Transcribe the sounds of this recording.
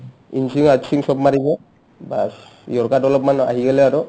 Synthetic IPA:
insiŋad͡ʒsiŋsɔbmaɾibɔ | ba | jɔɾkadɔlɔpmana̰ɦiɡɛlɛaɾɔ

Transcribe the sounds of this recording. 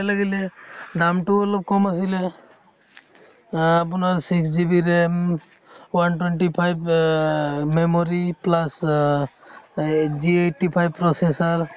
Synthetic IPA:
laɡilɛɖamʈʊɔlɔp̚kɔmasilɛ | apʊnaɹsiksd͡ʒibiɾem | wantwenʈipʰajb | memɔɹiplas | d͡ʒieʈipʰajbpɹɔsesaɹ

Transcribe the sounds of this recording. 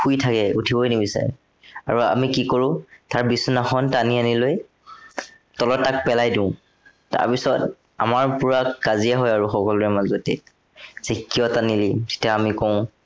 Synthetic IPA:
xujtʰakɛutʰibɔjnibisa̰ɹɛ̰ | a̰ɹua̰mikikoɹʊ̃taɹbisɔnaxɔntanianiloj | tɔlɔtːak̚pɛlajdũʊ̃ | ta̰ɹpisɔt | a̰maɹpuɹakkaziɛɦɔjaɹuxɔkɔlɔɹɛmazɔtɛ | z̥ikːijɔtanilizetiaamikɔʊ̃

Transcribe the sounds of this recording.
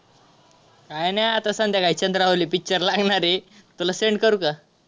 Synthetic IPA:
kajneat̪asãnt̪jakait͡ɕənd̪ɾaɦolipik̚t͡ɕəɾlaɡɳaɾet̪ulaseɳɖkəɾuka

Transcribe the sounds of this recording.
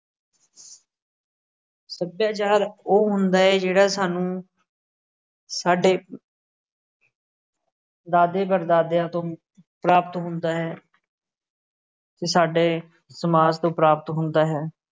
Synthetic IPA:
səbjaːt͡ʃaːɾoːɦʊnd̪aːɦɛːd͡ʒeːɽaːsaːnũː | saːɖeː | d̪aːd̪eːbəɾd̪aːd̪jãːt̪õː | pɾaːpət̪ɦʊnd̪aːɦɛː | t̪eːsaːɖeː | səmaːst̪õːpɾaːpət̪ɦʊnd̪aːɦɛː

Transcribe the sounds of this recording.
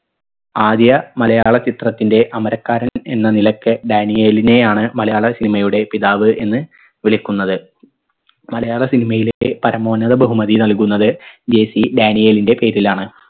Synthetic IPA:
aːd̪jɐmɐlɐjaːɭɐt͡ɕit̪rɐt̪ːinde̞ʔɐmɐɾɐkːaːɾɐnenːɐnilɐkːɨɖaːnijeːline̞jaːɳɨmɐlɐjaːɭɐsinimɐjuɽe̞piðaːʋɨʔe̞nːɨ | ʋiɭikʲːunːɐðɨ | mɐlɐjaːɭɐsinimɐjilepɐɾɐmo̞ːnːɐðɐbɐɦumɐðinɐlkunːɐðɨd͡ʑe̞ːsiɖaːnijeːlinde̞pe̞ːɾilaːɳɨ

